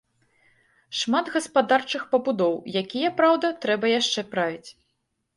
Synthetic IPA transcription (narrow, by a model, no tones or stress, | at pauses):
ʂmad̪ɣɐspad̪art͡ʂɨxpɐbud̪ɔwjakʲijɐpɾawd̪ɐt̪ɾɛbɐjaʂt͡ʂɛpɾavʲit͡sʲ